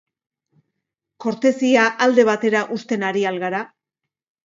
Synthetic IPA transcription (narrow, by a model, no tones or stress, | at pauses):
ko̞ɾt̪e̞siaʔald̪e̞β̞at̪e̞ɾaʔust̪e̞naɾialɣaɾa